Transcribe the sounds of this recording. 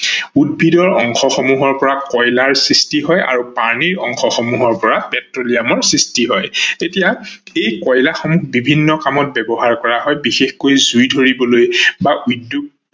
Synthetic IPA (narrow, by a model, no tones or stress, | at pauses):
udbʱidɔɹɔŋxɔxɔmuɦɔɹpɔɹakɔjlaɹsɹistiɦɔja̰ɹupaɹniɹɔŋxɔxɔmuɦɔɹpɔɹapɛtɹolijamɔɹsɹistiɦɔjtetijaejkɔjlaxɔmuxbibʱinːɔkamɔt̚bɛbɔɦaɹkɔɹaɦɔjbixexkojzujdʱoɹibɔlojbaʔudːuk̚